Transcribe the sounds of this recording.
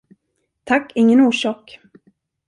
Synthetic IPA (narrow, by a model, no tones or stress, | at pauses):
t̪ʰakːɪŋːənuːʂɑːk